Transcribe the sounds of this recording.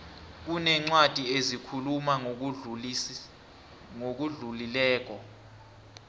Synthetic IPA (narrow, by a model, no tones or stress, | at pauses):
k̬unɛŋ͡ǀwad̥ʱiezikʰuluma | ŋok̬uɮulilɛːk̬ɔ